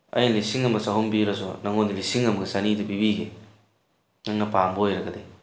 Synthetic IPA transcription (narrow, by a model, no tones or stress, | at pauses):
ɐ̰jlisiŋɐmɡɐsaɦumbiɾɐsɔ̰nɐŋondilisiŋɐmɐɡɐsanidɐpibiɡe | ŋɐŋnɐpamboojɾɐɡɐde